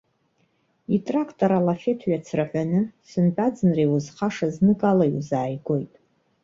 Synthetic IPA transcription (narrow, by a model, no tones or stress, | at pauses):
itʼrakʰtʼoɾalafetʰɥat͡sʰraħʷanɨsɨnpʼad͡zɨnrewuzχaʂaznɨkʼalajṵzaːjɡo̞jtʼ